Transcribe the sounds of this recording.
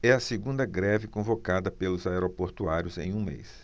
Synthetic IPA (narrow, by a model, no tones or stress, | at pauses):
ɛɐseɡũnd̪ɐɡɾɛvɪkõvokad̪ɐpelʊzaɛɾopoɾt̪uaɾjʊzḛ̃j̃ũmḛjs